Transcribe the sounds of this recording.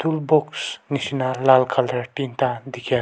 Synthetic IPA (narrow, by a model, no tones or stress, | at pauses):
t̪ʰulboksniʃinalalkʰald̪ɾʈint̪ad̪ikʰʲɛ